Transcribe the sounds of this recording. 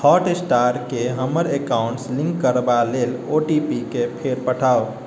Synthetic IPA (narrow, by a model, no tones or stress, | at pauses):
hʰɔʈesʈaɾkeɦəməɾekaʊɳʈslĩŋkːəɾbaleloʈipikepʰeɾpəʈʰaːo